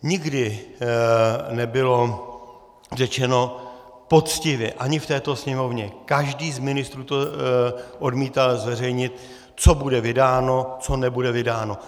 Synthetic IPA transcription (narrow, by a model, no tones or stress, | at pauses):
ɲɪɡdɪ | nɛbɪlo̞ | r̝ɛt͡ʃɛno̞ | po̞t͡scɪvjɛʔaɲɪft̪ɛːt̪o̞sɲɛmo̞vɲɛkaʒdiːzmɪnɪst̪ɾuːt̪o | ʔo̞dmiːt̪alzvɛrɛjɲɪt̪̚ | t͡so̞budɛvɪdaːno̞t͡so̞nɛbudɛvɪdaːno